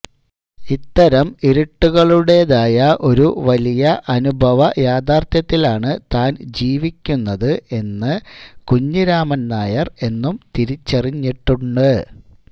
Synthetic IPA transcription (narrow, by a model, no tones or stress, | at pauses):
it̪ːɐɾɐmiɾiʈːuɣɐɭuɽe̞ðaːjɐʔo̞ɾuʋɐlijɐʔɐnubʱɐʋɐjaːd̪aːrt̪jɐt̪ːilaːɳɨt̪aːnd͡ʑiːʋikʲːunːɐðɨʔe̞nːɨkuɲːiɾaːmɐnnaːjɐre̞nːumt̪iɾit͡ɕːɐriɲːiʈːuɳɖɨ